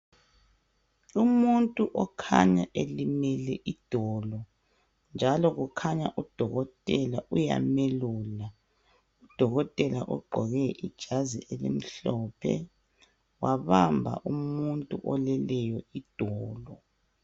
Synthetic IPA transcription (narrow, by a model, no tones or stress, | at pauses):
umuntʼuʔɔkʰa̰ɲaʔelimɛlɛʔid̥ʱɔːlɔ | nd͡ʒʱalɔɣukʰaɲaʔud̥ʱɔɣɔtʼɛlaʔuja̰meluːla | ud̥ʱɔɣɔtʼɛla̰ʔɔɡ͡ǃʱɔɣɛʔid̥ʒ̥ʱaziʔelḭm̩ɬɔpʰɛ̰ | waβambʱa̰ʔumuntʼuʔɔlɛlɛjɔid̥ʱɔːlɔ